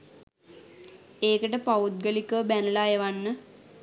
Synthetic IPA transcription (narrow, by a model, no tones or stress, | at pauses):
eːkəʈəpaut̪̚ɡəlikəbænəlaːjeʋanːə